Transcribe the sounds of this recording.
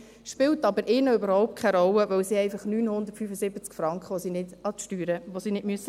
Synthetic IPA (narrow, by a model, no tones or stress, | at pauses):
ʃpɪltɑbəɾɪːnəøbəɾhɔʊp̚t̚kʰɛɾɔlːəʋœwsiɛɪfɑχnyːnhʊnd̪əɾtfyfəzɪbət͡skfɾɑŋkχʋosiːnɪdɑt̪ʃtyːɾəʋosinɪdmyəsə